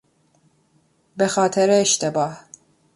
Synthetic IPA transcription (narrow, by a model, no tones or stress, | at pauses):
bexɑːt̪ʰɛɾeːʃt̪ʰebɑːh